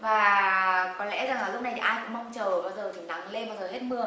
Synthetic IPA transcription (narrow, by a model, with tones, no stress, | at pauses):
vaː˨˩kɔ˨˦nlɛ̰˧˥za˨˩ŋʔəː˨˩lʊ˥k͡p̚na˨˩jt̪i˨˩ʔːjkʊ̰˧˥ŋ͡mma˧wŋ͡mt͡ɕəː˨˩ɓaː˧wzəː˨˩t̪ʰi˨˩na˨˦ŋle˧nɓaː˧wzəː˨˩he˦˥t̚mɨ˧ə